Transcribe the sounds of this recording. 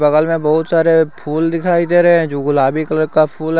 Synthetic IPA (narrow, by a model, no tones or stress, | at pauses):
bəɣəlmẽbɔɦʊt̪saːɾepʰuːld̪ɪkʰaːid̪eːɾeɦɛ̃d͡ʒoːɡʊlaːbikələɾkapʰuːl